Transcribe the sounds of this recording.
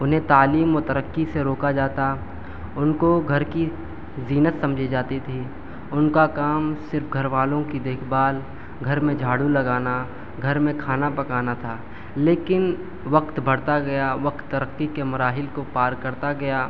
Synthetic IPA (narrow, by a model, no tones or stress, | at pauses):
ʊnɦẽt̪aːliːmɔːt̪ɐɾəkːiseɾoːkad͡ʒaːt̪a | ʊnkoɡʱɐɾki | ziːnəssɐ̃md͡ʒʱid͡ʒaːt̪it̪ʰiː | ʊnkakaːmsɪɾfɡʱɐɾʋaːlõkid̪eːkʰbaːl | ɡʱɐɾmẽd͡ʒʱaːɽulɐɡaːna | ɡʱɐɾmẽkʰaːnapɐkaːnat̪ʰaː | leːkɪn | ʋɐkt̪bʱɐɽt̪aɡɐjaʋɐk̚t̪ːɐɾəkːikemɐɾaːɦɪlkopaːɾkɐɾt̪aɡɐjaː